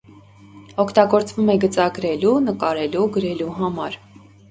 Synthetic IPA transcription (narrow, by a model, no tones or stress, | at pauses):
ɔkʰt̪ɑɡɔɾt͡svumɛɡət͡sɑɡəɾɛlunəkɑɾɛluɡəɾɛluɦɑmɑɾ